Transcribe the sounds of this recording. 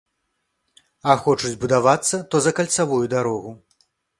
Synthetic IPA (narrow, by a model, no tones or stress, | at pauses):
ɐxɔt͡ʂud͡zʲbud̪avat̪sːɐt̪ɔzɐkɐlʲt̪savujud̪aɾɔɣu